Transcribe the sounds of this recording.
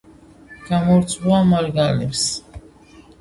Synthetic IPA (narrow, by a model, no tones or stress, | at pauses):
ɡ̥amɔɾt̪sʰʼχuamaɾɡalɛps